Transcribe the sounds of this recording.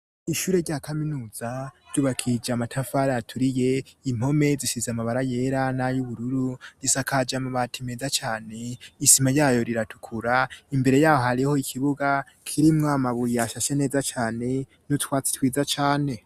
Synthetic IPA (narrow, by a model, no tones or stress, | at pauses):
iʃuːɾe̞ɾɟaːkaminuːz̥aɾɟuβakʰid͡ʒamatʰafaɾaatʰuɾije̞im̥ho̞me̞ziʃizamaβaɾaje̞ɾanajuβuɾuɾuɾisakad͡ʒamuβatʰimeːzat͡ʃaːne̞isimajaːjo̞ɾiɾatʰu̥kʰuɾaimbe̞ɾe̞jaːho̞haɾiho̞ikʰiβuɡa | kʰiɾimŋamaβujiaʃaʃe̞ne̞ːzat͡ʃaːne̞ | nutwaːt͡si̥twiːzat͡ʃaːne̞